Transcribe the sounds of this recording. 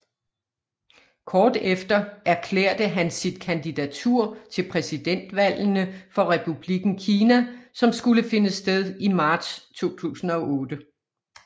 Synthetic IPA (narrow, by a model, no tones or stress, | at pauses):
kʰɒːd̥efd̥ɐæɐkʰlḛːɐ̰d̥əɦænsid̥̚kʰænd̥id̥æt͡sʰuɐ̰t͡sʰe̝lpʰʁɛsid̥en̰d̥ʋæl̰nəfɒ̽ʁɛpʰub̥liɡ̥n̩kʰiːnæsɒ̽msɡ̥uləfe̝nəsd̥eð̞ˠimɑ̈ːd̥st͡sʰo̝̰ːt͡sʰṵːsn̩ɒ̽ʔɔ̽ːd̥ə